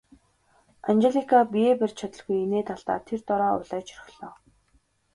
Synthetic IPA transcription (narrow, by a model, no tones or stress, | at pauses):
anxeɮikʰapijeːpær̥ʲt͡ɕʰat̪ə̆ɮɣujeneːt̪ʰaɮt̪a̰ːt̪ʰert̪ɔɾɔːʊ̰ɮæːt͡ɕʰɵr̆xɮ̥ɔː